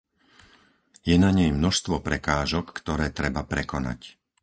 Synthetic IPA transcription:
jɛnaɲɛjmnɔʃst̪ʋɔpɾɛkaːʒɔkːt̪ɔɾɛːt̪ɾɛbapɾɛkɔna̰c

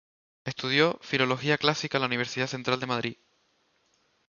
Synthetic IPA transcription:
e̞st̪uð̞jo̞filo̞lo̞xiaklasikalauniβ̞e̞ɾsiðaθe̞nt̪ɾald̪e̞maðɾi

